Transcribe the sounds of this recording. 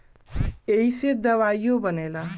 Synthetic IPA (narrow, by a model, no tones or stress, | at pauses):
ejsed̪əʋajjobənela